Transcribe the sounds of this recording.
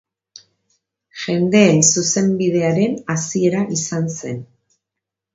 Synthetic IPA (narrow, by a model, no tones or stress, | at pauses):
ʝe̞nd̪e̞ːnsuse̞mbið̞e̞aɾe̞nasie̞ɾaʔisanse̞n